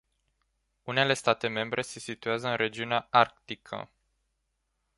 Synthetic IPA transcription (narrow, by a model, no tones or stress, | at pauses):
une̞le̞st̪at̪e̞me̞mbɾʔe̞se̞sit̪uazəɨnɾe̞d͡ʒiuneaark̚t̪ikʰə̰